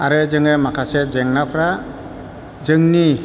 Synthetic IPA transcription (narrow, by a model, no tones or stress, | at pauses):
aɾɯzɯŋɯmakʰased͡ʒeŋnapʰɾa | zɯŋni